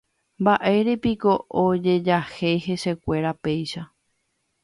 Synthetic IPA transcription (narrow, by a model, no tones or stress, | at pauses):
mbaʔe̞ɾe̞piko̞od͡ʒe̞d͡ʒahe̞jhe̞se̞kʷe̞ɾape̞jʃa